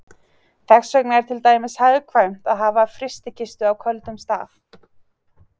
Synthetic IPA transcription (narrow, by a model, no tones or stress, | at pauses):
θɛxsœknaɛɾ̥t̪ʰɪlt̪aːjmɪshaːjðɪkʰvaɥm̥t̪aðɦaːvafɾɪst̪ɪcʰɪst̪ʏawkʰœlt̪ʏmst̪a̰ːθ